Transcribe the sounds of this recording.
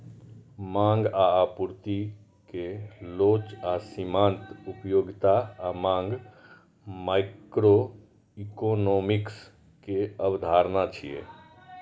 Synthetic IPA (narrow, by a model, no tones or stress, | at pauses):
mãːŋɡaapuɾt̪i | keloːt͡ʃasimãːnt̪upjoːɡt̪amãːŋɡ | maɪkɾo | ikonoːmɪks | keəbd̪ʱaːɾnat͡ʃʰijḛː